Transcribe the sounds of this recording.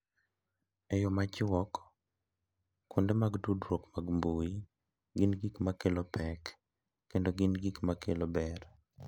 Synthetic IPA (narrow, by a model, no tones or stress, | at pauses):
ɛjomat͡ʃɪwɔk | ʊndemaɡdudɾwokmaɡmboi | ɡinɡikmakelopɛkː | endoɡinɡikmakelobɛɾ